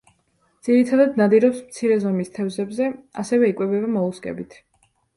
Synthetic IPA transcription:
d̪z̥iɾit̪ʰad̪ad̪nad̪iɾɔpsmt̪sʰiɾɛzɔmist̪ʰɛvzɛbzɛa̰sɛvɛikʼwɛbɛbamɔuskʼɛ̰bit̪ʰ

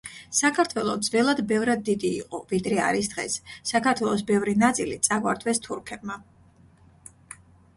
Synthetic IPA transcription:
sakʰaɾt̪ʰwɛlˠɔd̪zvɛlˠad̪bɛvɾad̪̚ːid̪iːqʼɔvid̪ɾɛa̰ɾisd̪̥ʁɛ̰sːakʰaɾt̪ʰwɛlˠɔs̬bɛvɾinat̪sʼilit̪sʼaɡwa̰ɾd̪ʰwɛst̪ʰuɾkʰɛb̚ma

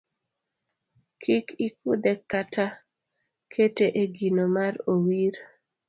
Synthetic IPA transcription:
kʰikikud̪ɛkːatʰa | kʰeteʔeɡinomarowiɾ

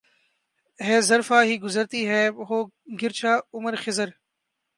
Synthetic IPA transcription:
ɦɛːzɐɾfaːɦiːɡʊzəɾt̪iːɦɛːɦoː | ɡɪɾt͡ʃʰaːʊməɾxɪzəɾ

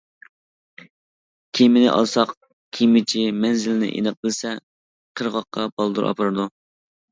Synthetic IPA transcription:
kʲʰimɪnɪ̰ʔɑ̰lˠsɑq | kʲʰimɪt͡ʃʰimɛnzɪlɪnɪ̰ʔḛnɨq̚bɪlsɛ | qʰəɾʁɑqːɑbɑlˠd̪uɾʔɑ̰pʰɑɾɨd̪u

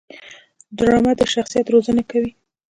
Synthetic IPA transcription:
d̪ɾɑmad̪əʃaxsijat̪ɾozanakawi

